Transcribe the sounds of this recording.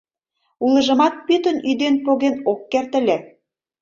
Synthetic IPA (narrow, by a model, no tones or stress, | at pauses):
ulɤ̆ʒə̆mɑt̪̚pyt̪ə̆nyd̪enpoɣenokːert̪ə̆lʲæ